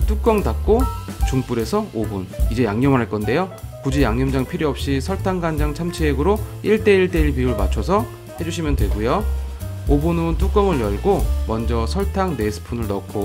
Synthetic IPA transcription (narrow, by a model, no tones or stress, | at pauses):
t͈uk͈ʌŋdak̚k͈ot͡ɕuŋp͈uɾe̞sʰʌobunid͡ʑe̞jaŋɲʌmɯɾɦaɭk͈ʌnde̞jokud͡ʑijaŋɲʌmd͡ʑaŋpʰiɾjiʌp̚ɕ͈isʰʌɭtʰaŋɡand͡ʑaŋt͡ɕʰamt͡ɕʰieɡɯɾoiɭt͈e̞iɭt͈e̞iɭpiuɭmat͡ɕʰʌsʰʌ | he̞d͡ʑuɕʰimjʌndwe̞ɡojo | obunɯnt͈uk͈ʌmɯɭjʌɭɡomʌnd͡ʑʌsʰʌɭtʰaŋne̞sʰɯ̥pʰunɯɭnʌk͈ʰo